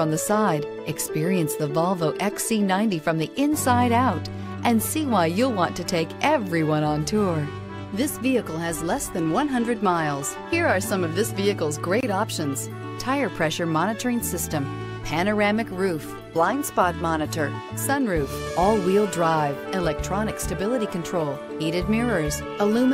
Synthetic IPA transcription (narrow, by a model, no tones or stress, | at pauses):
fɹʌ̃mðɨsaɪɾ | ɨkspɪɹiɨ̃nsðəvɑlˠvoʊʔɛksinãɪ̃ntifɹʌ̃mðiʔɪ̃nsaɪɾaʊɾ | ʔɨ̃nsiwaɪjɨlˠwɑ̃ntɨtʰeɪkʔɛvɹiwʌ̃ñə̃ntʰʊɹ | ðɪsviɨkl̩ˠɨzlɛsðɨ̃nwʌ̃nɦʌ̃ndɹɨd̚maɪlˠz̥hiɹə˞sʌ̃mʌvðɪsviɨkl̩ˠzɡɹeɪɾɑpʃɨ̃nz̥ | tʰaɪə˞pʰɹ̥ɛʃə˞mɑnɨɾə˞ɪ̃ŋsɪstɨ̃m | pʰænə˞æmɨkɹʉf | b̥lãɪ̃nd̥spɑt̚mɑnɨɾə˞ | sʌ̃nɹʉfʔɔlˠwilˠdɹaɪvɨlɛk̚tʰɹ̥ɑnɨkstɨbɪlˠəɾikɨ̃ntʰɹ̥oʊlˠ | hiɾɨd̚mɪɹə˞z̥ | əlʉ̃m